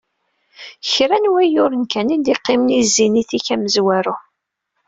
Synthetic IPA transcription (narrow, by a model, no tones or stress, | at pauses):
çɾænwæjʊɾənkænind̪iqːɪmnizːiniθiçæməzwæɾʊ